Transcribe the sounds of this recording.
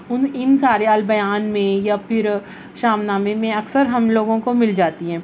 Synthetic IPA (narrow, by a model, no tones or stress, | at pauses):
ʊnɪnsaːɾeɐlbɐjaːnmẽjapʰɪɾ | ʃaːmnaːmemẽɐksəɾɦɐmloːɡõkomɪld͡ʒaːt̪iɦɛ̃ː